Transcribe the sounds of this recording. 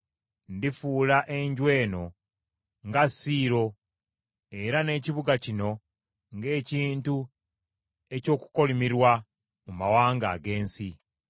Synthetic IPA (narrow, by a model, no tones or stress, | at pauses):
ndifuːlaʔe̞ɲɟwe̞ːno̞ | ŋɡasiːɾo̞ | e̞ɾane̞ːciβuɡacino̞ | ŋɡe̞ːciːntu | e̞co̞ːku̥ko̞limiɾwa | mumawaːŋɡa̰ːɡe̞ːnsi